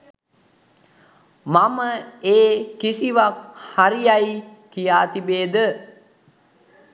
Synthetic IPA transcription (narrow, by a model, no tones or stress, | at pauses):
maməeːkisiʋak̚haɾijaikijaːt̪ibeːd̪ə